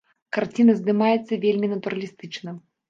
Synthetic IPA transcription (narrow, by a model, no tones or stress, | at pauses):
kart͡sʲinɐzd̪ɨmajɛt̪sːɐvʲelʲmʲinɐt̪uɾɐlʲist̪ɨt͡ʂnɐ